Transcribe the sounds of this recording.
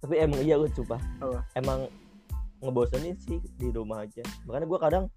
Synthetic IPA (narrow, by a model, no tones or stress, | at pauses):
t̪apiemaŋijaɡʊt̪̚t͡ʃumpaaemaŋː | əbosanisɪhdiɾumaɦad͡ʒamakanaɡuakadaŋ